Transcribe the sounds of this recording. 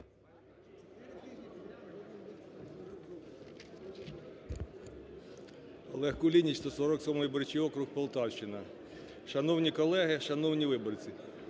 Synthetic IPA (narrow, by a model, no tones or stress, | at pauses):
ɔ̰lˠɛhkʊlʲinʲit͡ʃst̪ɔsɔɾɔksɔmɔbɔɾt͡ʃʲiɔkɾʊxpɔlˠt̪ɑwʃt͡ʃɪnɐ | ʃɐnɔwnʲikɔlˠɛɦɪʃɐnɔwnʲiʋɪbɔrt͡sʲi